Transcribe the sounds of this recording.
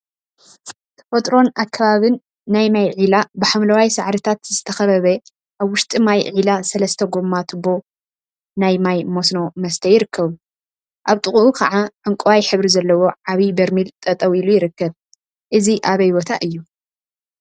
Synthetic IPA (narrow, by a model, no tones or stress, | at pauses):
t̪ʰɐfot̪ʼɾo̞nakʰːɐβaβɨnː | ajmajʕilabɨħamlɐwajsaʕɾɨt̪ʰat̪zɨt̪ʰɐxɐβɐβɐ | ʔaβwʊʃt̪ʼimajʕilasɐlɐst̪ʰɐɡo̞mːat̪ʰɨbo̞ | najmajmo̞sno̞mɐst̪ʰɐjɪɾɨkːɐβu | ʔaβt̪ʼɨχʼuʔukʰɐʕaʕɨŋkʼuwajħɨβɾizɐlːɐwo̞ʕaβibɐɾmilt̪ʼɐt̪ʼɐwilujɪɾɨkːɐβ | ʔɨziʔaβɐjbot̪ʰaʔɨjːu